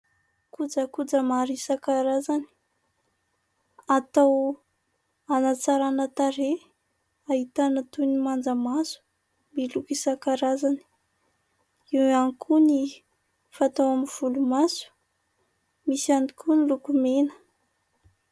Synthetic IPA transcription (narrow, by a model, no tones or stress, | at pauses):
kud͡zəkud͡zəmaɾisakaɾazani̥ | at̪aw | anat͡saɾanət̪aɾe | aɦit̪anat̪unimand͡zəmasu̥ | milukisakaɾazani̥ | iwanikʰuni | fat̪awaminv̥ulumasu̥ | misanikʰunilukumenə̥